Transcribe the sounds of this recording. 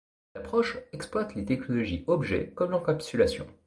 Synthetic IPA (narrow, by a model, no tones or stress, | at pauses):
apχɔʃɛksplwat̪let̪ɛknɔlɔʒiɔbʒɛ̰kɔmlɑ̃kapt̪ylasjɔ̰̃